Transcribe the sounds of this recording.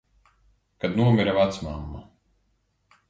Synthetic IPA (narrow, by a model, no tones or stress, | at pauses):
kad̪nuɔmʲiɾavat̪smamːa̰